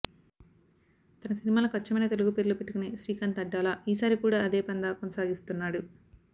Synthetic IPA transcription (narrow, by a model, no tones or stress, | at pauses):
t̪ɐnɐsinimaːlɐkɐt͡ʃːɐmɐjnɐt̪e̞luɡupeɾulupeʈːukuniʃɾiːkɐnt̪ɐɖːaːlaːiːsaːɾikuːɽaːɐd̪e̞ːpɐnd̪aːkonɐsaːɡist̪unːaːɽu